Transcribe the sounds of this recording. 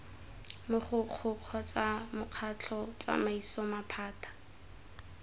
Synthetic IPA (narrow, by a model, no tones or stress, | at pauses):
mʊχʊq͡χʰʊq͡χʰɔt͡samʊq͡χʰat͡ɬʰɔt͡sa̰maisɔmapʰaːtʰḁ